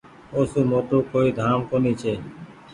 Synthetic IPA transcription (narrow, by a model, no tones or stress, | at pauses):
oːsuːmoːt̪ɾoːkoːiːd̪ʱaːmkoniːt͡ʃʰeː